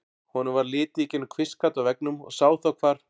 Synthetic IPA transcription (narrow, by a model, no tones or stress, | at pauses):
hɔnʏvaɾlɪːt̪icɪnkʰvɪskat̪awvɛknʏmɔ̰ɣsaːwθawkʰvaːɾ̥